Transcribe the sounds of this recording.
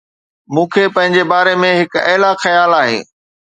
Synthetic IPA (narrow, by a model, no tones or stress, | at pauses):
mũːkʰepɐ̃ɦɪ̃ɲd͡ʑebaːɾemẽɦɪkɛːlaxɐjaːlaːɦḛ̃ː